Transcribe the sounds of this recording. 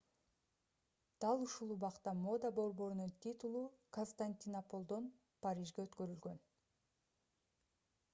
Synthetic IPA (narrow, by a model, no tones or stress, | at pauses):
d̪̥ɑlˠuʃulˠuβɑqt̪ɑmo̞d̪abo̞ɾbo̞ɾununt̪ʲit̪ulˠukonst̪anʲt̪ʲinapo̞lˠd̪o̞n | paɾʲiʒɡeøt̪køɾylɡø̞n